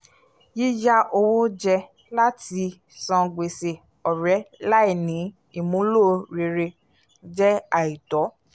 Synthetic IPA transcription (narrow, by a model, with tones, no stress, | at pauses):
ji˦d͡ʒa˦ʔo˧wo˦d͡ʒɛ˧ | la˦ti˧ | sã˧ɡ͡be˨se˨ | ɔ˨ɾɛ˨˦la˦i˨nĩ˨˦ | i˦˨mũ˨˦lo˦˧ɾe˧ɾe˧ | d͡ʒɛ˦a˦˨i˨tɔ˨˦